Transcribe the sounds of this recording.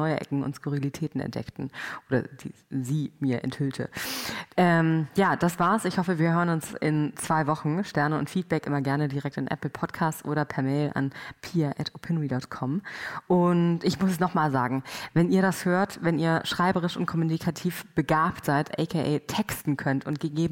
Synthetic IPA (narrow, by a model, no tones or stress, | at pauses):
ɔʏəʔɛ̰kŋ̩ʊ̰ntskuʁ̞ilitʰɛːtn̩ɛ̰ntd̥ɛ̰ktn̩ʔoːdɐ̰d̥ḭːziːmiːɐʔɛ̰nthʏltʰə̰ʔɛːmjaːd̥asv̥aːɐsɪçhɔfəviːɐɦøːʁənʊnsɪ̰nt͡sv̥aɪvɔχn̩ʃtɛɐnəʊ̰ntfiːt̚b̥ɛkʔɪmɐɡɛɐnədiːʁɛk̚tanʔɛ̰pl̩pʰɔtkʰaːstsʔoːɾɐpʰɛɐmeɪlʔa̰npʰiːɛʔɛtopʰɪnʁidɔtkʰɔmʔʊntɪçmʊs̬ɛsnɔχmaːlza̰ːɡŋ̩vɛnʔiːɐɾashøːɐtvɛniːɐʃʁ̥aɪbəʁ̞ɪʃʊnt̚kʰɔmunikʰatʰiːfb̥əɡaːptz̥aɪtʰʔɛ̰ɪkʰeʔɛːtʰɛkstn̩kʰœntʊnt̚ɡ̥əɡeːbm